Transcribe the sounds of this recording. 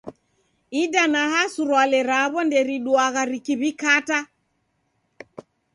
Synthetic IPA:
idanaɦasuɾwalɛɾaβɔndɛɾiɗuaɣaɾikiβikata

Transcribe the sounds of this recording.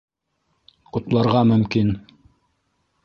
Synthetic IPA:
qŏt̪lˠɑɾʁɑmɵ̆mkin

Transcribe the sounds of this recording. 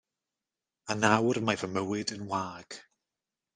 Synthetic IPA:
anawrmavəməwɪdənwaːɡ̥

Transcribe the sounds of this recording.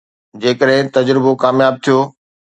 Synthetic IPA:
d͡ʑeːkəɗɦɪ̃t̪ɐd͡ʑɾɪbokaːmjaːb̚t̪ʰijoː

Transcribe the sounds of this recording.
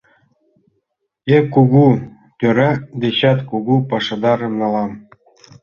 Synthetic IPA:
ekːuɣu | t̪ʲøɾɑd̪eɕɑt̪kuɣupɑʃɤ̆d̪ɑɾɤ̆mnɑlɑm

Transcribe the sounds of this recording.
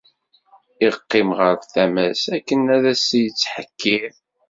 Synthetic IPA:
ɪʁəqːɪmʁəɾfθæmæsækːənæðæsijət͡sːħəkʰːið

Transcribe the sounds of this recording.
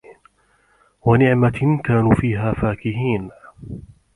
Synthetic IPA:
wanɪʕmakaːnuːfiːɦaːfaːkɪhiːn

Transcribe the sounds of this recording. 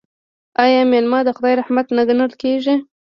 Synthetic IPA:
ɑjɑmelmɑd̪əxʊd̪ɑjɾahmat̪naɡənəlkeʒi

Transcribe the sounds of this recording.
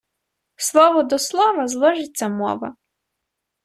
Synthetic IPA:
slˠɔʋɔd̪ɔslˠɔʋɐzlˠɔʒɪt͡sʲːɐmɔ̰ʋɐ̰

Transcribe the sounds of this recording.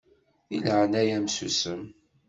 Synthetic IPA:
ilʕənæjæmsusəm

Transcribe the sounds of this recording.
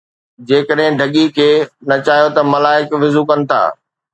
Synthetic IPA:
d͡ʑeːkəɗɦɪ̃ɖʱɐɠikʰeːnɐt͡ɕaːɦijot̪ɐmɐlaːɪkʋɪzukɐnɪ̆t̪ʰa̰ː

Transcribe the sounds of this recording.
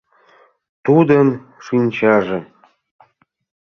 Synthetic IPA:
t̪ud̪əmʃinʲt͡ɕɑʒĕ

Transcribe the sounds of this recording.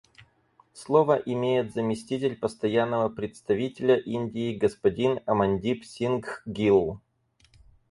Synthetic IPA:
slˠovəʔɪmʲejɪt̪zəmʲɪsʲtʲit̬ʲɪlʲpəst̪ɐjanːəvəpɾʲɪt̪st̪ɐvʲitʲɪlʲəʔinʲdʲɪːɡəspɐdʲinɐmɐnʲdʲipsʲinɡɡʲilˠ

